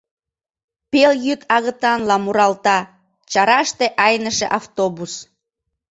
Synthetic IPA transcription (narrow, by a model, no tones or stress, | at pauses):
peljyt̪ɑɣət̪ɑnlɑmuɾɑlt̪ɑ | t͡ɕɑɾɑʃt̪eʔɑjnəʃeʔɑft̪obus